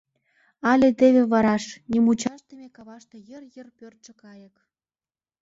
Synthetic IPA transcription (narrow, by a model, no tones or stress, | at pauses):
ɑlʲet̪eβʲeβɑɾɑʃnʲimut͡ɕɑʃt̪emʲekɑβɑʃt̪ejərjə̆rpørt̪ʃə̆kɑjə̆k